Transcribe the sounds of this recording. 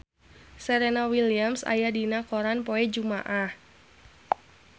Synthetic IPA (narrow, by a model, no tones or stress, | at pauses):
sɛɾenawiliamsa̰jadinakɔɾanpoɛd͡ʒuma̰ʔah